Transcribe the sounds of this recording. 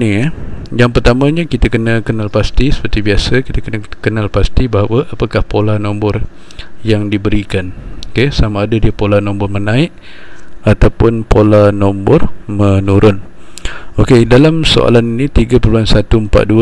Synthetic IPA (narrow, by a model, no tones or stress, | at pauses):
nijaŋpərt̪amãɲəkit̪akənəkənalpast̪isə̥pərt̪ibiasəkit̪akənəkənalpast̪ibaɦawəʔapakahpolanombʊr | jaŋdibəɾikanokesamaːdadiəpolanombʊrmənãɪʔ | at̪awpʊnpolanombɔrmənuɾʔʊn | okedalamso̰ʔa̰laninit̪iɡəpərluansat̪uəmpa̰ʔ̪̚duə